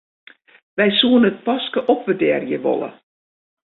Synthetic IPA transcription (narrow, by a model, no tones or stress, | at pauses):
ʋɛjsuənət̚pɔskəʔɔp̚ʋədɛːrjəʋɔ̰lˠə̰